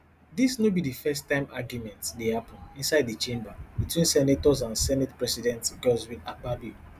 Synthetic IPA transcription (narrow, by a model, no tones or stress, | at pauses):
disnobidifɛstːãɪ̃ma̰ɡjumɛ̃ntdehapɔ̃nĩnsaɪddit͡ʃẽmbabitʰwĩnsɛnatɔzãnsɛnɛtpɹɛsidɛ̃ntɡɔzwĩnababi